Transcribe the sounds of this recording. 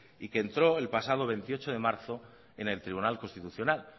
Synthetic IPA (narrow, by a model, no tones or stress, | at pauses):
ike̞nt̪ɾo̞e̞lpasað̞o̞β̞e̞nt̪io̞t͡ʃo̞ðe̞maɾθo̞ | ene̞lt̪ɾiβunalko̞nst̪it̪uθjo̞nal